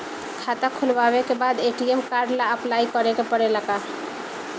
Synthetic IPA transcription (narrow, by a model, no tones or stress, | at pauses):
kʰaːt̪akʰʊlʋaːwekebaːd̪eːʈiɛmkaːɾɖlaɐplaːikəɾekepəɽelɐɡaː